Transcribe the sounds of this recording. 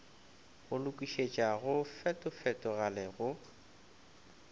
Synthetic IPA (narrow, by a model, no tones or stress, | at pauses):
ɣʊlʊkʼiʃet͡ʃʼaɣʊfɛtʼʊfɛtʼʊɣalɛɣʊ